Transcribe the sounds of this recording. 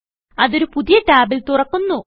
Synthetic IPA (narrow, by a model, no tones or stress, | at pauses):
ɐðo̞ɾupuðijɐʈaːbilt̪urɐkːunːu